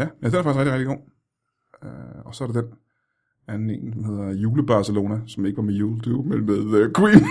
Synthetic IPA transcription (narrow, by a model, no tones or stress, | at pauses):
jææd̥enæfɑɡ̥isʁeɡ̥diʁeɡ̥d̥iɡo̝̰ː | ɒ̽sɒ̽ɐɾ̥ed̥en | ænn̩e̝̰ːnsmhe̝ð̰ˠɐjuːləb̥ɑ̈səlo̝ːnæsɒ̽meɡəʋɑ̈mejuːld̥umenmeðˠəkʰwḭːn